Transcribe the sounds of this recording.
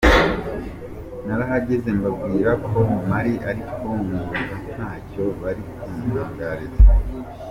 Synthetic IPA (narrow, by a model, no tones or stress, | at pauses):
naɾaɦaɟe̞ze̞mbabɡiːɾakʰo̞maɾiʔaɾikʰo̞ŋuozanhaːco̞βaɾikumuhaːŋɡaɾeza